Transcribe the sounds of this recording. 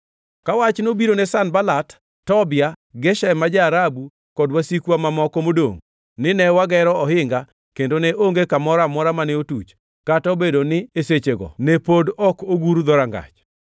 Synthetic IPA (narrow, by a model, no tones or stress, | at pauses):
kawat͡ʃnobiɾonesanbalatː | ɔbɪaɡɛʃɛmad͡ʒaːɾabu | kɔdwasikwamamɔkɔmodo̰ŋ | nɪnɛwaɡɛɾɔɔɦɪŋɡa | kendonɛʔoŋɡekamɔɾamɔɾamanɛotut͡ʃ | katɔbedonɪeset͡ʃeɡɔ̰nepodɔkoɡuɾud̪ɔɾaŋɡa̰t͡ʃ